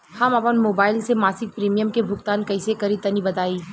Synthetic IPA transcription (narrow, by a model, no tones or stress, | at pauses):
hɐmɐpənmoːbaːɪlsemaːsɪk̚pɾiːmijəmkebʱʊkt̪aːnkɐɪsekɐɾit̪ɐnibɐt̪aːiː